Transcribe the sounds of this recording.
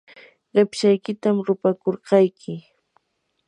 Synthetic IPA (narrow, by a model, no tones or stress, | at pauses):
ɢɪpʃajkɪt̪amɾʊpakoɾqɑjkʰɪ